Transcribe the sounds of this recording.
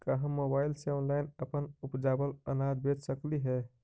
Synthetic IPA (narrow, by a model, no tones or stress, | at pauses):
kaɦə̃mːobaːɪlseɔːnlaːɪnəpənʊpd͡ʒaːbələ̰naːd̪bed͡ʒsəkliɦɛː